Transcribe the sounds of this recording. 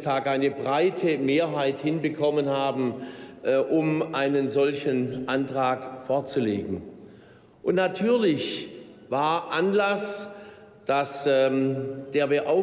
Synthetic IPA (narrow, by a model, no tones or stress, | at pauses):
tʰaːkʔaɪnəbʁaɪtʰəmeːɐɦaɪthɪnbəkʰɔmənhaːbm̩ | ʔʊmʔaɪnənzɔlçənʔantʁ̥aːkfoːɐt͡suleːɡŋ̩ | ʔʊntnatʰyːɐlɪç | vaːɐʔanlas | d̥asɛd̥eːɐbeɐʔaʊ